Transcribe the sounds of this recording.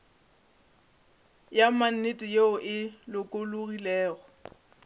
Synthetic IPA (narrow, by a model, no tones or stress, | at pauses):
jaman̩netʼɪjeʊʔɪlʊkʼoloɣilɛːɣɔ